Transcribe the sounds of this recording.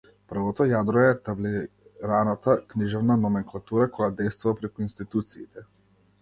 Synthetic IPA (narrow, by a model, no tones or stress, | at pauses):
pr̩vɔt̪ɔjad̪ɾɔɛt̪abliɾanat̪akniʒɛvnanɔmɛŋklˠat̪uɾakɔjad̪ɛjst̪vuvapɾɛkuinst̪it̪ut̪siːt̪ɛ